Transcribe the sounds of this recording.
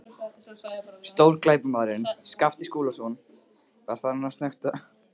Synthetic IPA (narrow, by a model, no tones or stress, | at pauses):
st̪owɾklaːjpʏmaːɾɪnskaft̪ɪskuːlason | vaɾ̥faɾnast̪nœxt̪a